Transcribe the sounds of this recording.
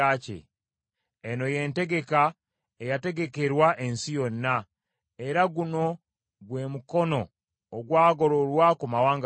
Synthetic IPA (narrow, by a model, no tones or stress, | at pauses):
aːcḛː | noje̞nte̞ɡe̞ka | ejate̞ɡe̞keɾwaʔe̞nsijonːa | e̞ɾaɡuno̞ | ɡwe̞ːmukono̞ː | ɡwaːɡo̞ɾo̞lwakumawaːŋɡ